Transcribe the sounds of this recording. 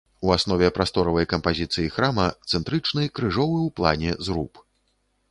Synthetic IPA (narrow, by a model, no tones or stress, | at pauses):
uasnɔvʲɛpɾast̪ɔɾɐvɐjkɐmpazʲit̪sɨjixɾamɐt̪sɛnt̪ɾɨt͡ʂnɨjkɾɨʐɔvɨwplˠa̰nʲɛzɾup